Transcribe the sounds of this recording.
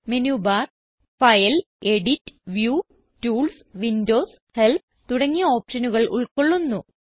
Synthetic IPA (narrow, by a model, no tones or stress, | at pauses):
menjuːbaːr | fɐjɐl | e̞ɽitːɨ̥ʋjuː | tuːls | ʋindo̞ːs | he̞lp | t̪uɽɐŋːioːpʂɐnuɣɐɭʔṵɭkoɭːunːu